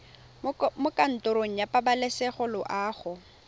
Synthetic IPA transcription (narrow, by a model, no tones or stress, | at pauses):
mʊkʼan̩tʼʊɾoŋ̩japabalesɛχʊlʊʔaːχʊ